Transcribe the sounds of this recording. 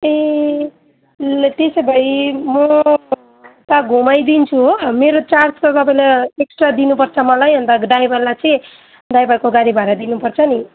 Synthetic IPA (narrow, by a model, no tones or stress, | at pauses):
e | t̪esebʱʌimʌ | t̪aɡʱumajd̪int͡sʰuɦomeɾot͡sarskot̪ʌpaĩleeksʈrad̪inupʌrt͡sʰʌmʌlajʌnt̪aɖajbʌlːajt͡sʌĩ | ɖajbʌkoɡaɾibʱaɾad̪inupʌrt͡sʰʌni